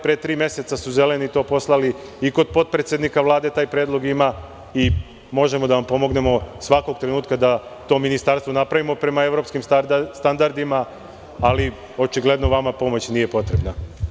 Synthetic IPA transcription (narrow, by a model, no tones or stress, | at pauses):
pɾet̪ɾiːmje̞se̞t̪sasuze̞le̞nit̪o̞ːpo̞slˠaliiko̞d̪̚po̞d̪̚pɾet̪sjed̪nikaʋlˠaːd̪e̞t̪aːjpɾeːd̪lˠo̞ɡima | i | mo̞ʒe̞mo̞d̪aʋampo̞mo̞ɡne̞mo̞sʋako̞ɡ̚t̪ɾe̞nuːt̪kad̪at̪o̞ːminist̪aɾst̪ʋo̞napɾaʋimo̞pɾe̞mae̞ʋɾo̞pskimst̪and̪aɾd̪imaː | li | o̞t͡ʃiɡle̞d̪no̞ʋamapo̞mo̞t͡ɕniːje̞po̞t̪ɾe̞bna